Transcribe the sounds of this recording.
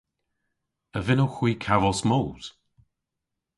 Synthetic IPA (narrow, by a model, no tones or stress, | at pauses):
əvɪnowxw̥iːkʰavɔsmowld̥